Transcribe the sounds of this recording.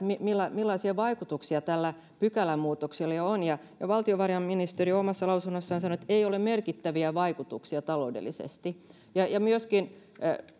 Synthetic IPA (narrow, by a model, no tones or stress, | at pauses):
mimilːɑmilːɑisiɑʋɑikut̪uksiɑt̪ælːæ | pykælæmuːt̪oksilːɑjoonjɑ | jɑʋɑlt̪ioʋɑrjɑmminist̪eriomɑsːɑlɑusunːosːɑːnsɑnoet̪eiolemmerkit̪ːæʋiæʋɑikut̪uksiɑt̪ɑloudḛlːˑisḛst̪i | jɑjɑmyøskin